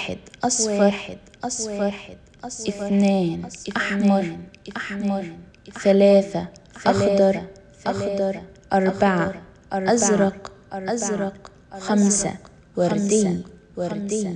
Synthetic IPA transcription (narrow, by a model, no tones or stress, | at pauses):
ħɪ̰d̪ʔsˤfad̪ | s | ʔɪθneːnʔaħmɑɾˤʔamɑɾˤ | θalaːθaʔɑxd̪ːɑɾˤ | xd̪ɾˤʔɑɾˤbaʕa | ɾʔazɾˤɑqʔazɾˤɑq | xamsa̰ | wɑɾˤd̪i | wɾˤd̪